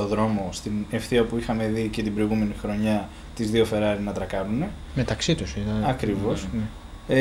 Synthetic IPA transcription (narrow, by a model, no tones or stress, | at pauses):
o̞ðɾo̞mo̞st̪ine̞fθiɐpuixɐme̞ðice̞t̪ibɾo̞iɣume̞nixɾo̞ɲɐ | t̪izðio̞fe̞ɾɐɾinɐt̪ɾɐkɐnune̞ | me̞t̪ɐksit̪usit̪ɐɐkɾivo̞s